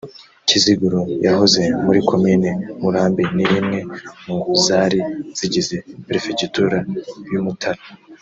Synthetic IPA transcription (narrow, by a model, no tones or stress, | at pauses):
ciziɡuɾojaɦoze̞muɾiko̞miːnemuɾaːmbinimŋe̞muŋɡuzaːɾiz̥iɟize̞peɾifecutuɾajumutʰaɾa